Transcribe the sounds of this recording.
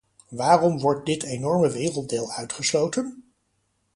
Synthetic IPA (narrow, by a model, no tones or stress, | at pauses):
ʋaːrɔmʋɔɹt̚dɪtʰejnɔɹməʋɪːrəlˠt̚deːlˠœɥtχəslowtən